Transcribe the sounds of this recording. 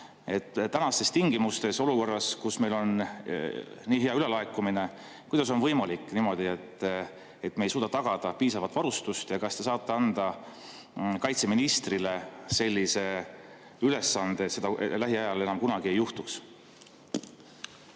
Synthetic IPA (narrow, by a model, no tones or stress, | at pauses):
e̞t̪ːænɑst̪e̞st̪iŋɡ̥imust̪e̞so̞luko̞rːɑskusme̞jlo̞n | niːɦeɑyle̞lɑekːˑumine̞ | kujd̪̥ɑs̬o̞nvɤjmɑlikːˑniːmo̞d̪̥ie̞t̪ː | et̪ːmejsuːd̪ɑt̪ɑɡ̥ɑd̪̥ɑpiːsɑvɑt̪ːvɑɾust̪ust̪jɑkɑst̪e̞sɑːt̪ːe̞ɑnd̪̥ɑ | kɑjt̪se̞minist̪rile̞se̞lʲːise̞ | yle̞sːɑnd̪̥et̪sed̪ɑlæɦiɑjɑle̞nɑmkunɑɡ̥ie̞juht̪uks